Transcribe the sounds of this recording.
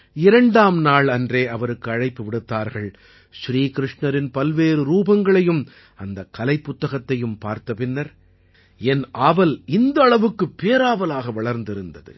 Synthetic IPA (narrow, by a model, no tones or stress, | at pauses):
ɪɾɐɳɖaːmnaːɭɐndreːʔɐʋɐɾɯkːɯɐɻɐɪpːɯʋɪɽɯt̪ːaːɾɣɐɭ | ʃɾiːkɪɾɪʂɳɐɾɪnpɐlʋeːɾɯɾuːbɐŋɡɐɭɐjɯm | ɐnd̪ɐkːɐlɐɪpːʊt̪ːɐɣɐt̪ːɐjɯmpaːɾt̪ɐpɪnːɐɾ | ɛnʔaːʋɐlɪnd̪ɐːɭɐʋɯkːɯpːeːɾaːʋɐlaːɣɐʋɐɭɐɾnd̪ɪɾɯnd̪ɐðɯ̰